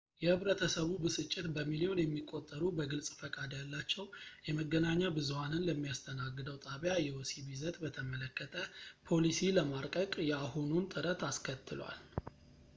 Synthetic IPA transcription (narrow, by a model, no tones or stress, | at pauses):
jɛhɨβɾət̪ʰəsəβubɨsɨt͡ʃʼːɪt̪bəmilio̞njɛmːikʼːo̞t̪ʼːəɾubəɡɨlsʼfəkʼad̪jalːat͡ʃːɛwjɛməɡːənaɲːabɨzuhanɨnləmːijast̪ʰənaɡːɨd̪əwt̪ʼaβjajɛwosibizət̪bət̪ʰəmələkːət̪ʰəpʰo̞lisiləmaɾkʼəkʼjɛahununt̪ʼɨɾət̪ʰaskʰət̪ʰːɨlwa̰l